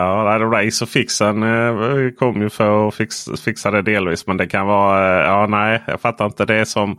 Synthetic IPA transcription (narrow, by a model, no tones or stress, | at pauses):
ɑːnæɪd̪ɛɾaɪsɔfɪksən | kʰɔmːəjʉfœɾɔfɪksfɪksad̪ɛd̪eːlviːsmɛnd̪ɛkʰanvɑːjɑːnæɪjɑ̰ɡfat̪ʰːaɾɪnt̪əd̪ɛsɔm